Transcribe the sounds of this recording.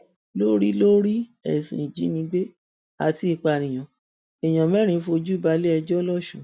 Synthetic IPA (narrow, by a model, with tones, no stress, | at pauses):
lo˦ɾi˦lo˦ɾi˦ɛ˨sḭ̃˨d͡ʒi˨˦nĩ˧ɡ͡be˦ | a̰˨ti˧i˧k͡pa˧˨nĩ˨j̃ɔ̃˨ | ɛ˨j̃ã˨mɛ˦ɾ̃ĩ˧˦fo˧d͡ʒu˦i˦˨ba˧le˦ɛ˧d͡ʒɔ˦lɔ˦˨ʃṵ̃˨